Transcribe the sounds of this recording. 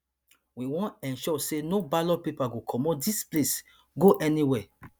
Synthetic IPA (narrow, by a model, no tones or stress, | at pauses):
wiwɔ̃nɛ̃nʃɔsenobalɔpipaɡokʰɔmɔt̚disples | ɡoʔɛniwɛ